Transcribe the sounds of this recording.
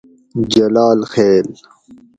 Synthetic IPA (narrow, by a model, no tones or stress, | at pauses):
d͡ʑɐlaːlxeːl